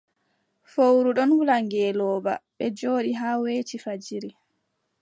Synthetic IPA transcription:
fowɾuɗɔnhulaŋɡɛːlɔːba̰ɓɛd͡ʒoːɗiɦaːweːt͡ʃifad͡ʒiɾi

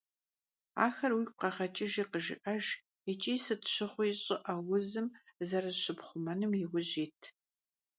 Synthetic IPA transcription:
a̰ːxɐrwiːk̚ʷqɐχɐt͡ʃʼɪʒiːqəʒɪ̰ʔɐʒ | ɛt͡ʃʼiːsɨtɕɪχʷʊjɕʼɪʔɐwʊzɨmzɐrɐzɕɪpχʷʊmɐnɨmjɪwʷʊʑiːtʰ

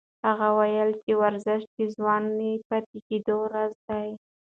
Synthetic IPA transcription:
haɣawajəlt͡ʃewaɾzɪʃʈ̚t͡ʃezwɑnepat̪eked̪oɾazd̪aj

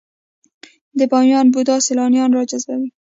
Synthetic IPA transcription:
d̪əbɑnjɑnbud̪ɑsɪlɑnijɑnɾɔd͡ʒazbawi

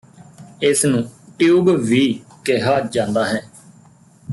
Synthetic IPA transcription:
ɪsnũːʈjuːɡʋiːkɪɦaːd͡ʒãːnd̪aːɦɛː

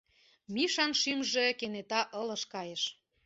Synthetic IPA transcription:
miʃɑnʃymʒĕkenet̪ɑʔɤ̆lə̆ʃkɑjeʃ

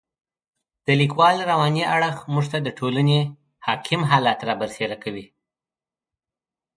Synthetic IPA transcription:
d̪̥əlikwɑlɾawɑniʔaɽəxmuʐt̪ad̪əʈʰolane | hɑkʰɪmɦɑlɑt̪ɾɑbəɾseɾakawi

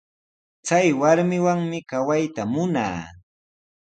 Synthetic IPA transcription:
t͡sajwaɾmɪwaŋmɪkawajt̪amʊna̰ː

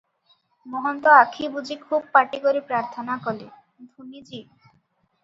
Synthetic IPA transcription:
moɦɔnt̪oakʰibud͡ʑikʰub̚paʈiɡoɾipɾaɾt̪ʰonakole | d̪ʱunid͡ʑi

